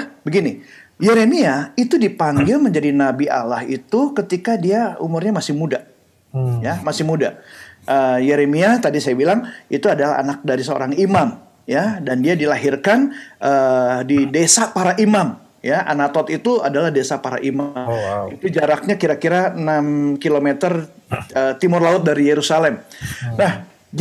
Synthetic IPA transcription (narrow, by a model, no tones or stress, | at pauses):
bəɡinijeɾemiait̪udipaŋɡɪlməɲd͡ʒadinabiʔa̰lahḭt̪ukət̪ikadiaṵmurɲamasɪhmuda | jamasɪhmuda̰ʔəjeɾemiat̪adisajabilaŋʔit̪uadalaɦa̰nak̚daɾisəo̰ɾaŋimam | jadandiadilaɦirkanʔəːdidesapaɾaʔimam | jaʔa̰nat̪ɔt̪it̪uadalahdesapaɾa̰ʔimait̪ud͡ʒaɾak̚ɲakiɾakiɾaənamkilomet̪ər | əːt̪imʊrlaʊt̪̚daɾijeɾusalɛmnah | d͡ʒ